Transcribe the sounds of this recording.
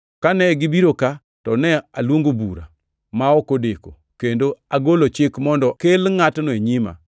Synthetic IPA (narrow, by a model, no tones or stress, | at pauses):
kanɛɡɪbiɾoka | tɔnɛalwoŋɡobuɾa̰ | maɔkodeko̰ | kendoaɡolot͡ʃɪkmɔndɔkelŋatnɔeɲima̰